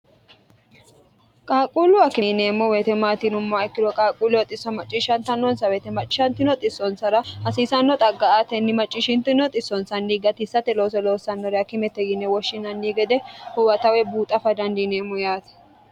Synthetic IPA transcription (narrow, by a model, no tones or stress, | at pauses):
kʼaːkʼulʊɐkɪneːmːɔwet̪ɛmaːt̪ɪnʊmːaɛkːɪd̪ɔkʼaːkʼuːlʊwɐt̪ʼɪsːɔmɐt͡ʃʼːiʃɐnt̪ɐnːɔnsɐweːt̪ɛmɐt͡ʃʼːɪʃɐnt̪ɪnɔt̪ʼɪsːɔnsɐɾɐɐsiːsɐnːɔt̪ʼɐɡːɐat̪ɛnːɪmɐt͡ʃʼːɪʃɪnt̪ɪnɔt̪ʼɪsːɔnsɐnːiːɡɐt̪ɪsːɐt̪ɛlo̞ːsɔlo̞ːsɐnːɔɾɛɐkɪmɛt̪ːɛɡɪnːɛwɔʃːɪnɐnːiːɡɛd̪ɛhʊwɐt̪ɐwɛbuːt̪ʼɐfɐd̪ɐnd̪ineːmːɔjaːt̪ɛ̥